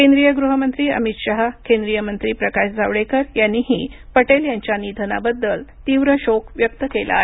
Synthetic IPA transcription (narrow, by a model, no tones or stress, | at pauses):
kẽnd̪ɾijəɡɾuɦəmənt̪ɾiːə̰mit̪ɕaɦkẽnd̪ɾijəmənt̪ɾiːpɾəkaɕd͡zʱaʋɽekəɾjanːiːɦiːpəʈeljaɲt͡ɕjanid̪ʱəna̰bəd̪ːəlt̪iʋɾəɕokʋjək̚t̪əkela̰ɦe